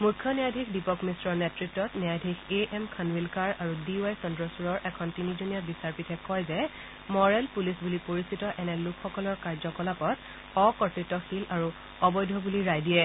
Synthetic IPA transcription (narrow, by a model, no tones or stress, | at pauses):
mukʰːjɔnijadʱikdipɔkmisɹɔɹnɛtɹitːɔtnɛjadʱikʰeʔɛmkʰanwilkaɹaɹudiwajsɔndɹɔsuɹɔɹʔɛkʰɔntinizunijabisaɹpitʰɛkɔjzɛ | mɔɹɛlpulisbulipoɹisitɔʔɛnɛlukʰxɔkɔlɔɹkaɹzɔkɔlapɔt | ɔkɔɹtɹitːɔxilaɹu | ɔbɔjdʱɔbuliɹajdiɛ